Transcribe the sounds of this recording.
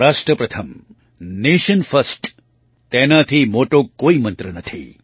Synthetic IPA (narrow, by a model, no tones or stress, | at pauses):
ɾaːsʈɾəpɾɐt̪ʰəm | neʃənfəsʈ | t̪enat̪ʰimoʈokoːimənt̪ɾənɐt̪ʰḭ